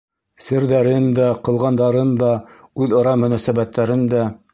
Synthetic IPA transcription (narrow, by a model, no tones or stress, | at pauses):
sɘ̆ɾðæɾɘnd̪æqɤ̆lˠʁɑnd̪ɑɾɤnd̪ɑʉðɤ̆ɾɑmɵ̆næsæbæt̪ːæɾɘnd̪æ